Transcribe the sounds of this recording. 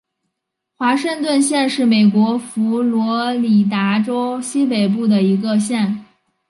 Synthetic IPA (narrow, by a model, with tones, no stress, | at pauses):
xwa˧˥ʂɤ˥˧ŋt̪wə˥˧nɕjɛ˥˧nʂɻ̩˥˩me˨˩ɪkwɔ˧˥fu˧˥lwɔ˧˥li˨˩t̪a˧˥ʈ͡ʂo˥ʊɕi˥pe˨˩ɪp̬u˥˩d̪ə˩i˧˥ɡə˧ɕjɛ˥˩n